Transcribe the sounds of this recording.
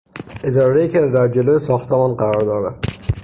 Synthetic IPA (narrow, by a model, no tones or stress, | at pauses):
ʔed̪ɒːɾejiːkcʰed̪æɾd͡ʒeloːjesɒːxt̪ʰemɒːnɢæɾɒːɾd̪ɒːɾæd̪̥